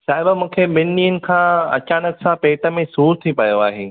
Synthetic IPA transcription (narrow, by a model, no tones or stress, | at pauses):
saːɦɪbamũːkʰemɪnɗiːənɪ̆kʰãːɐ̰t͡ɕaːnəksãpeːʈə̆mẽsuːɾt̪ʰipɐjoaːɦeː